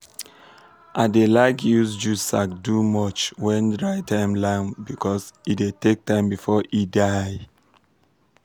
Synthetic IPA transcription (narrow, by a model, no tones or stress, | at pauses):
ʔadelakjusd͡ʒusak̚dumɔt͡ʃwɛ̃ndɹaɪtʰãɪ̃mlãŋbikʰɔsitdetek̚tãɪ̃mbifɔʔidaj